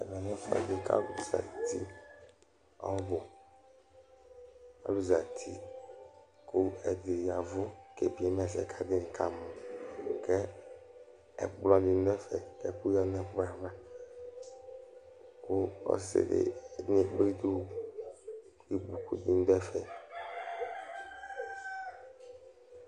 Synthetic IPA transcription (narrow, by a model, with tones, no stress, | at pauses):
ḛ˨vɛ˨nɛ̃˦fa̰˨d̪e˦ka̰˦lu˨za̰˨t̪ḭ˦ | a̰˨wo˦bo˨ | a̰˨˦lu˦za˨t̪ʰi˦ | ku˦e˨d̪e˨ja˨vu˦ke˨bi˨˦e˦mɛ˨sɛ̰˨kʰa˦d̪e˦nĩ˨kʰa˦m˨kɛ˦ | ɛ̰˨blɔ˦di˦n˦d̪ɛ˦fɛ̰˨kḛ˦ku˦jɔ˦nɛ̃˦ɸa˨vã˦ | ku˦ɔ̰˦sḛ˨dḛ˨ɲĩ˦ɡ͡bi˦d̪u˦ | i˦bu˨ku˨d̪i˦n˦d̪ɔ˦ɛ˦fɛ˨